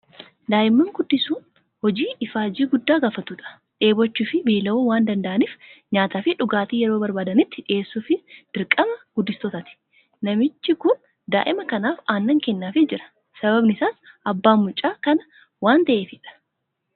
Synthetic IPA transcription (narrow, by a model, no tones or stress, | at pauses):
d̪aːjɪmːɐŋɡʊd̪ːɪsuːn | hɔd͡ʒiːʔɪfaːd͡ʒiːɡʊd̪ːaːɡaːfɐt̪uːᶑɐ̥ | ᶑe̞ːbɔt͡ʃːuːfɪbiːlɐoːwaːnd̪ɐnd̪ɐʔɐniːfɲaːt̪aːfɪᶑʊɡaːt̪iːjɛɾo̞ːbɐɾbaːd̪ɐnɪt̪ːɪᶑɪʔeːsːuːfɪd̪̥ɪɾkʼɐmɐɡ̥ʊd̪ːɪst̪ɔt̪ɐt̪ɪ̥ | nɐmɪt͡ʃːɪkʊn | d̪a̰ːʔɪmɐkɐnaːfaːnːɐŋkɛnːaːfɪd͡ʒɪɾɐ̥ | sɐβɐbnɪsaːsʔɐbːaːmːʊt͡ʃʼːaːkɐnɐ | waːnt̪ɐʔeːfɪᶑɐ̥